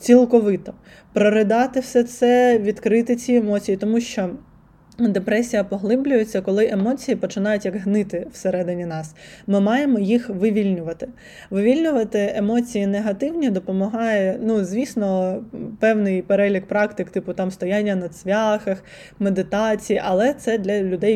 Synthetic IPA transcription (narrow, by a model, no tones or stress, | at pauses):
t͡sʲilˠkɔʋɪt̪ɔ | pɾɔɾɪd̪ɑt̪ɪwsɛsɛʋʲid̪kɾɪt̪ɪt͡sʲiemɔt͡sʲijit̪ɔmuʃt͡ʃɔ | d̪epɾɛsʲijɐpɔɦlˠɪblʲʊjet͡sʲːɐkɔlˠɪʔemɔt͡sʲijipɔt͡ʃɪnɑjʊtʲjɐɡɦnɪt̪ɪw̥seɾɛd̪ɪnʲinɑsmɪmɑjemɔjixʋɪʋʲilʲnʲʊʋɐt̪ɪ̥ | ʋɪʋʲilʲnʲʊʋɐt̪ɪemɔt͡sʲijineɦɐt̪ɪwnʲid̪ɔpɔmɔɦɑjɛnuzʲʋʲisnɔpɛwnɪjpeɾɛlʲik̚pɾɑkt̪ɪkt̪ɪpʊt̪ɑmst̪ɔjanʲːɐnɐsʲʋʲɑxɐx | med̪ɪt̪ɑt͡sʲijiʔɐlˠɛt̪sɛd̪lʲɐlʲʊd̪ɛj